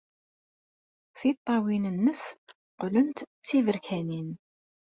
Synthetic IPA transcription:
θit̪ˤːɑwinənːəs | qlənt̪t͡sːivəɾkʰænin

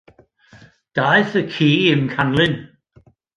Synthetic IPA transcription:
d̥ajɨθəkʰiːɪmkʰanlˠɪn

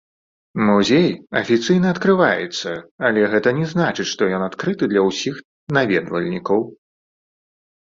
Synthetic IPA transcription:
muzʲejɐfʲit̪sɨjnɐɐt̪kɾɨvajɛ̰t̪sːɐɐlʲɛɣɛt̪ɐnʲɛznat͡ʂɨt͡ɕʲʂt̪ɔjɔnat̪kɾɨt̪ɨd̪lʲɐwsʲix | navʲɛ̰d̪vɐlʲnʲikɐw

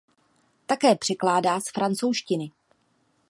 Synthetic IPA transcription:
t̪akɛːpr̝̥ɪklaːdaːsfɾant͡so̞wʃcɪnɪ

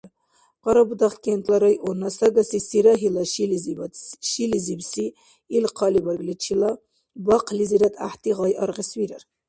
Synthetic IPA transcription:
ʁɑɾɐbud̪ɑχkent̪laɾɑjonasɐɡasisiɾaɦilaʃilizb̪ʃilizibsiː | lqʰɑlibaɾɡlit͡ʃʰila | bɑqliziɾat̪a̰ht̪iʁɑjɑɾʁiswiɾaɾ

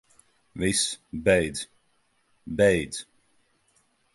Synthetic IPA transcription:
visbɛjd̪z̥ | bɛjd̪z̥

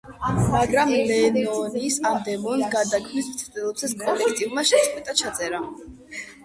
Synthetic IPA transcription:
maɡɾamlɛnɔniːsad̪ɛmɔnɡad̪akʰmismt̪sʰt̪ʼɛlˠɔpsʰɛskʼɔlɛkʰt̪ʼivmaʃɛt̪sʼχʼɛt̪ʼat͡ʃʰat̪sʼɛɾa

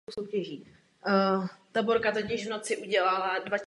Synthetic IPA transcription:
sowcɛʒiː | t̪abo̞ɾkat̪̬ocɪʒvno̞t͡sɪʔuɟɛlaladva

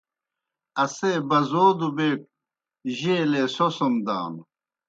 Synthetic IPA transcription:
ɐsebɐzoːd̪ubeːk̚ | ʑeːleːsosomd̪a̰ːn

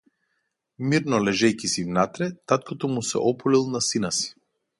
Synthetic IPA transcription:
miɾnɔlɛʒɛjkisivnat̪ɾɛt̪at̪̚kɔt̪ɔmusɛ̰ʔɔpɔlilˠnasinasi̥

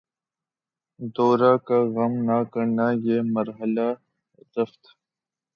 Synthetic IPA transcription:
d̪ɔːɾaːkaɣɐmnaːkəɾnaːjeːməɾɦəla | t̪əft̪

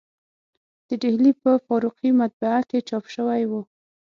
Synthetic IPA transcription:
d̪̥əɖehlipəfɑɾuqimat̪̚baaket͡ʃɑpʃəwajwu

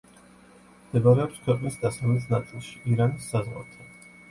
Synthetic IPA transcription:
md̪̥ɛbaɾɛɔpskʰwɛqʼnisd̪asamɛs̬nat̪sʼilˠʃi̥ʔiɾanisːazʁwa̰ɾt̪ʰɛ

